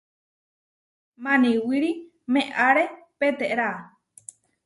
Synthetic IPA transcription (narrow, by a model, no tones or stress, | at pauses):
mãnĩwiɾi | mẽʔaɾepet̪eʔɾa